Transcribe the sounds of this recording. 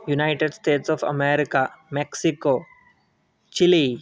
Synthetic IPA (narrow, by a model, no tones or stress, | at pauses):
junaɪʈeɖsʈeːʈsɔfɐ̰meɾɪkameksiko | t͡ʃili